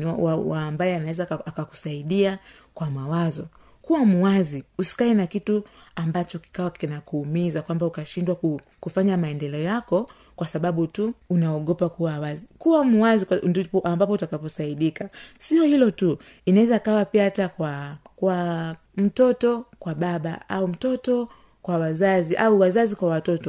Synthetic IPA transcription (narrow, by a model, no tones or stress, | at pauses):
awaːmbajɛanawɛzaakaku̥saiɗia | kwamawazɔ | kuwamuwaziusi̥kainakitu | ambat͡ʃɔki̥kawakinakuːmizakwambaukaʃindwau | kufaɲamaɛndɛlɛɔjakɔ | kwasaɓaɓutuunaɔɠɔpakuwawazikuwamuwazindpʔambap̬ɔutakapɔsaiɗikasiɔhilɔtu | inawɛzaikawapiahatakwakwa | m̩tɔtɔkwaɓaɓa̰ʔaum̩tɔtɔ | kwawazaziʔauwazazikwawatɔtɔ